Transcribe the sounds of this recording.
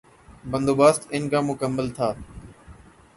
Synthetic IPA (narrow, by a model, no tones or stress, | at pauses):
bə̃nd̪oːbaːst̪ɪnkãːmʊkəmːəlt̪ʰaː